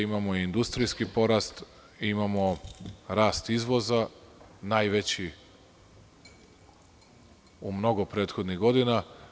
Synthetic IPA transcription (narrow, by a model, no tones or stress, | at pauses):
imamoiind̪ust̪ɾijskipo̞ɾast̪ | imamo̞ɾaːst̪izʋo̞za | najʋet͡ɕi | umno̞ɡo̞pɾe̞ːt̪xo̞d̪niɣɡo̞d̪ina